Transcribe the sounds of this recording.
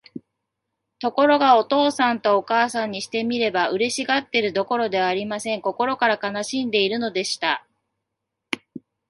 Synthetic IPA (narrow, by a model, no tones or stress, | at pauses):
t̪o̞ko̞ɾo̞ɡao̞t̪o̞ːsãnt̪o̞ːkaːsãɲ̟ːiɕi̥t̪e̞mʲiɾe̞baɯ̟ɾe̞ɕiɡat̪ːe̞ɾɯ̟d̪o̞ko̞ɾo̞d̪e̞βaːɾʲimasẽ̞ŋko̞ko̞ɾo̞kaɾakanaɕĩnd̪e̞iɾɯ̟no̞d̪e̞ɕi̥t̪a